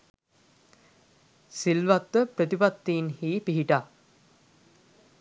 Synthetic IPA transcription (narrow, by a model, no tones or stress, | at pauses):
silʋat̪ːəpɾət̪ipat̪ːiːnhiːpiɦiʈa